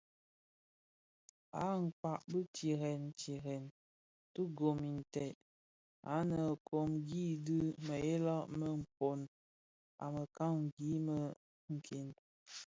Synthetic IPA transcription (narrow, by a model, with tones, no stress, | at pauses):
a˦ŋ̩˨ka˨ʔbə˦ti˨ɾɛ˨nti˨ɣɛ˨n | tu˦ɡo˨mi˨n̩˨tɛ˨ʔ | a˨˦nə˨kʰo˨mɡi˦dɨ˦mə˨e˦la˦ʔmə˨m̩˨po˨n | a̰˨mə˨ka˦ŋ˨ɡi˦mə˨ | ŋ̩˨kʰe˨n